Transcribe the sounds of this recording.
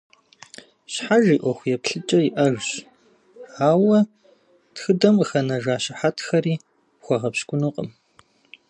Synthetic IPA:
ɕħaʒiːʔʷɔxʷjɛpɬɨt͡ʃʼɐjiʔɐʒɕ | ʕaːwɐ | txɨdɐmxɐnɐʒaːɕɪħatʰxɐriː | pxʷɔʁɐpɕkʷʼʊnuqʼə̰m

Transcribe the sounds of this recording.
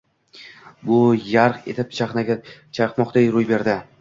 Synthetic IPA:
bʊjaɾqe̞̰t̪ɪp̚t͡ʃʰaχnaat͡ʃʰaqmɒqd̪ejɾʊjbe̞ɾd̪ɪ

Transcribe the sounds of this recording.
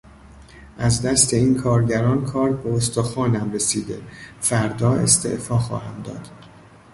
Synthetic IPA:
ʔæzd̪æst̪ʰe̞iːnkʰɒːɾɟæɾɒːnkʰɒːɾbeost̪ɒːxɒːnæmɾesiːd̪e̞̰fæɾd̪ɒːe̞̰st̪ʰe̞̰ʔfɒːxɒ̰ːhæmd̪ɒ̰ːd̪̥

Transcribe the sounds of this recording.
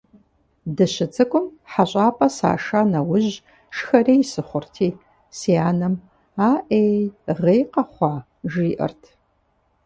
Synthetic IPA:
dɨɕɪt͡sʰʼɨkʷʼʊmħaɕʷʼaːpʼɐsa̰ːʂaːnɐwʊʑ | ʃxɐreːjsɨχʷʊrtʰiː | siaːnɐm | aːʔeːʁeːjqɐχʷɑː | ʒiːʔɐ̰rtʰ

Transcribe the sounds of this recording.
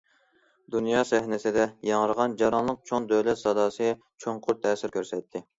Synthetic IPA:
d̪unjɑːsɛhnɪsɪd̪ɛjɑŋəɾəʁɑnd͡ʒɑɾɑnlˠəq̚t͡ʃʰond̪øwlɛt̪sɑd̪ɑːsɨ | t͡ʃʰoŋqʰʊɾt̪ʰɛːsɪɾkʲʰøɾsɛt̪ʰːɪ

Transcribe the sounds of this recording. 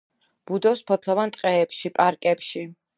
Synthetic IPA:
b̥ud̪ɔspʰɔt̪ʰlɔvant̪ʼqʼɛːpʃipʼaɾkʼɛpʃi

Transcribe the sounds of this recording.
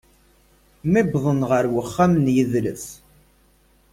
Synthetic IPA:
mibðˤənʁəɾwəχːamnjəðlə̰θ

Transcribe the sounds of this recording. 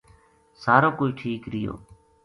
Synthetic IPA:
saːɾoːkoːiːʈʰiːkɾɪjo̰ː

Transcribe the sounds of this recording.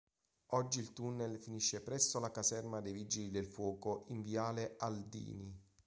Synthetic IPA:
ɔd͡ʒːiːlt̪unːelfiniʃːepɾɛsːolakazɛrmad̪ejvid͡ʒilid̪elfwɔːkoʔiɱvjaːleʔald̪ḭːni

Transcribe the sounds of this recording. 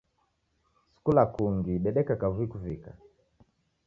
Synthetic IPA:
su̥kulakuŋɡiɓɛɗɛkakavuikuvika

